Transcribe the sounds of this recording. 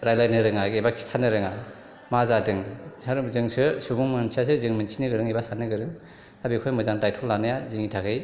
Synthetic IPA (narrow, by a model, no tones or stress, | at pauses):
ɾajlajnɯɾɯŋaɡebakʰi̥sʰanɯɾɯŋa | mazadɯŋsaɾzɯŋsɯsuɡuŋmɯnsʰias̬ɯzɯŋmɯnsʰinɯɡɯɾɯŋijbasanɯɡɯɾɯŋ | abikʰojmɯzaŋtajtʰɔlːanɯjazɯŋitʰakʰɯj